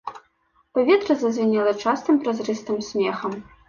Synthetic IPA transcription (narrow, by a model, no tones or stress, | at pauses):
pɐvʲɛt̪ɾɐzɐzʲvʲɛnʲɛlˠɐt͡ʂast̪ɨmpɾɐzrɨst̪ɨmsʲmʲɛxɐm